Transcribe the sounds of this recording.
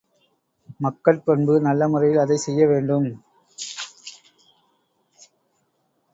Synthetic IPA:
mɐkːɐɭpɔɳbɯnɐlːɐmɯrɐjɪlɐðɐɪsɛjːɐʋeːɳɖɯm

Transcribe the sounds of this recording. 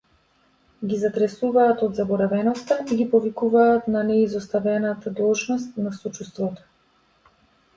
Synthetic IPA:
ɡizat̪ɾɛsuvaːt̪ɔd̪zabɔɾavɛnɔst̪aiɡʲipɔvikuvaːt̪nanɛizɔst̪avɛnat̪ad̪ɔlˠʒnɔst̪nasɔt͡ʃust̪vɔt̪ɔ̥

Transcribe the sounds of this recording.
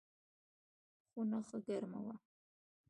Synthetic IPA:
χʷʊnɐχəɡɐrmɐ̰wa

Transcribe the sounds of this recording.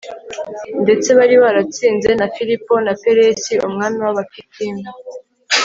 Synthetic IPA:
nde̞t͡se̞βaɾiβaɾat͡siːnze̞nafiɾipo̞nape̞ɾesiumŋaːmiwaβakitʰiːna

